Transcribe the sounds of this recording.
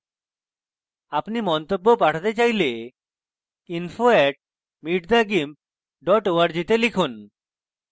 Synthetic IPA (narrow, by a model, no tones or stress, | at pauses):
apnimɔnt̪obːopaʈʰat̪et͡ɕajle | infʰoeʈ̚ | miʈd̪aɡim | ɖɔʈoaɾd͡ʑit̪elikʰun